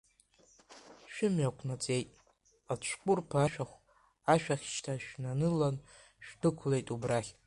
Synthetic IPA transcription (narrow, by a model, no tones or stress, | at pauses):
ʃᶣʊmɥakʷʰnat͡sʼe̞jtʼ | at͡ɕʷʰqʷʼʊrpʰaʃᶣaχʷ | aʃᶣaχʲt͡ʃtʰaʃᶣnanɨlan | ʃᶣdɨkʷʰle̞jtʼubraχʲ